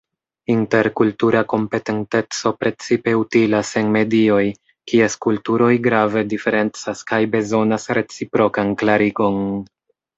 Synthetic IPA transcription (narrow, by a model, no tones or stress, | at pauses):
inte̞ɾkultuɾako̞mpe̞te̞nte̞t͡so̞pɾe̞t͡sipe̞utilase̞nme̞dio̞j | kie̞skultuɾo̞jɡɾave̞dife̞ɾe̞nt͡saskajbe̞zo̞nasɾe̞t͡sipɾo̞kanklaɾiɡo̞n